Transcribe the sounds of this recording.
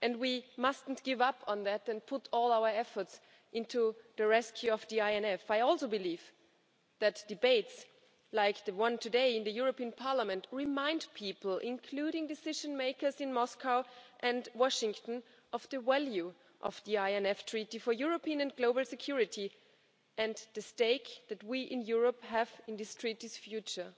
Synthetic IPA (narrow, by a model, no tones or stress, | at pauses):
ʔɨ̃ndwimʌstn̩tɡ̥ɪvʌpʰn̩ðætɨ̃n̚pʰʊɾʰɔlˠaʊə˞ɛfə˞ts | ʔɪ̃ntʰuðɨɹɛskʰjʉʌvðiaɪɛ̃nɛfaɪɔlˠsoʊbɨliv | ðɨtd̥ɨbeɪts | laɪk̚ðɨwʌ̃ntʰɨdeɪɨ̃nðɨjʊɹopĩɨ̃npʰɑɹləmɨ̃ntɹɪmãɪ̃ndpʰipl̩ˠɪ̃nkʰl̥uɾɪ̃ŋdɨsɪʒɨ̃nmeɪkə˞zɨ̃nmɔskaʊʔɨ̃ndwɔʃɪ̃ŋtn̩ | ʔʌv̥ðɨwɛlˠjʉ | ʔʌ̰vðiaɪɛ̃nɛftʰɹ̥iɾifə˞jʊɹopĩɨ̃nɨ̃nɡloʊbl̩ˠsɨkʰj̥ʊɹɨɾi | ɨ̃nðɨsteɪkðɨt̚wiʔɪ̃njʊɹəphævɨ̃nðɪstʰɹ̥iɾiz̥fjʉt͡ʃə˞